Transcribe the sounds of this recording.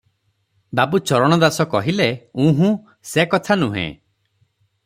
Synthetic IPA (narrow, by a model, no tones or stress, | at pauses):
babut͡ʃɔɾɔɽ̃ɔd̪asɔkɔɦileũɦũ | sekɔt̪ʰanuɦḛ̃